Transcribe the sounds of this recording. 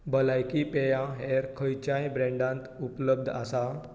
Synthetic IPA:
bəlajkipejãɦeɾkʰəjt͡ɕajbɾɛ̃ɳɖãnt̪upləb̚d̪ʱasa

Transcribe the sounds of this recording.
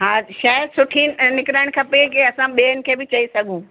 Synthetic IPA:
ɦaːʃaːsʊʈʰinɪkɾaːɪɽ̃kʰɐpekeɐsãɓeːənɪ̆kʰeːbɪt͡ɕɐisɐɡʱũː

